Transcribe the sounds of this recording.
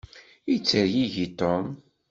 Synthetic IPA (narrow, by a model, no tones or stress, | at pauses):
it͡sːəɾjiʝit̪ɔm